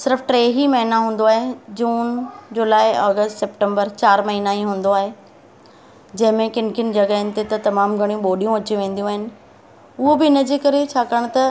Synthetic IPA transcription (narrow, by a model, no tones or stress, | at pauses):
sɪɾfʈɾeːɦimɐɦɪnaɦũːn̆d̪oaːɦed͡ʑuːnd͡ʑoːlaːɪɔːɡəsʈsɛpʈẽmbəɾt͡ɕaːɾmɐɦinaĩɦũːn̆d̪oaːɦe | d͡ʑɐ̃ɦɪ̃mẽkɪnkʰɪnɪ̆d͡ʑɐɡaɦɪnɪ̆t̪et̪ɐt̪ɐmaːmɡʱɐɽ̃ijũɓoːɗijũɐt͡ɕiʋẽːn̆d̪ijũaːɦɪnɪ̆ | ʊɦobɪɪnɐd͡ʑeːkɐɾet͡ɕʰaːkaːɽ̃t̪ɐ